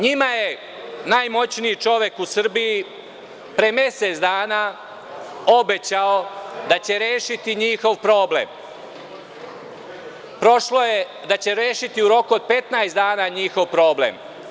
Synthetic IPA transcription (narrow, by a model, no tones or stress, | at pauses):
ɲimaje | najmo̞t͡ɕniit͡ʃo̞ʋje̞kusr̩bii | pɾemje̞set̪sd̪aːna | o̞be̞t͡ɕao̞d̪at͡ɕe̞ɾjeːʃit̪iɲixo̞ʋpɾo̞ːble̞̰m | pɾo̞ʃlo̞je | d̪at͡ɕe̞ɾjeːʃit̪iuɾo̞kuod̪̚pe̞t̪naesd̪aːnaɲixo̞ʋpɾo̞ːble̞̰m